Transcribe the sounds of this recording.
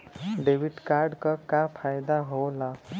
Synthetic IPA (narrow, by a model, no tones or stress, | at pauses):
ɖeʋiʈkaɾɖkakafajd̪aɦola